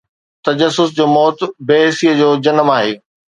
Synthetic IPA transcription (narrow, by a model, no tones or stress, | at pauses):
t̪ɐd͡ʑəsːʊsd͡ʑoːmɔːt̪beːɦɪsijəd͡ʑoːd͡ʑɐnəmaːɦeː